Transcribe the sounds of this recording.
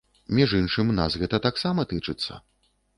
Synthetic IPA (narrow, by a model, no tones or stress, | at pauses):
mʲiʐɨnʂɨmʲnasɣɛt̪ɐt̪aksamɐt̪ɨt͡ʂɨt̪sːɐ̰